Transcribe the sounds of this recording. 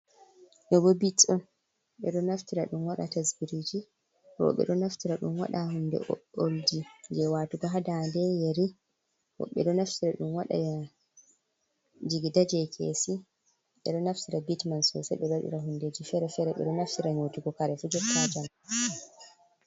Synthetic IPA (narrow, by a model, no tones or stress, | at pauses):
ʔɛbɔbit͡sʼːɔ | ɓɛ̰ɗɔnaftiɾaɗumwaɗa̰tasbiɾid͡ʒi | ɾɔ̰ɓɛ̰ɗɔnaftiɾaɗumwa̰ɗahunːdɛ̰ʔɔ̰oldid͡ʒɛwaːtuɡaɦadandɛjeɾi | wɔ̰ɓɛ̰ɗɔnaftiɾaɗumwaɗa̰ja | d͡ʒiɡidad͡ʒɛjkʰḛsi | ɓɛ̰ɗɔnaftiɾabitmansɔ̰sɛ̰ɓɛbaɗḭɾaɦunded͡ʒifɛɾɛfɛɾɛɓɛ̰ɗɔnaftiɾaɲotiɡɔkaɾɛfud͡ʒɔtʰːad͡ʒam